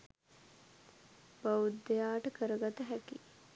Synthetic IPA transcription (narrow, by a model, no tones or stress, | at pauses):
bɐud̪ːejaːʈɐkəɾɐɡɐt̪ɐɦæki